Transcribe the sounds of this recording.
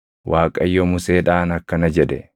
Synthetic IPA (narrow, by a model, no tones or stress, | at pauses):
wʔaːkʼɐjːɔmʊseːᶑaːnɐkːɐnɐd͡ʒɛᶑ̪ɛ̰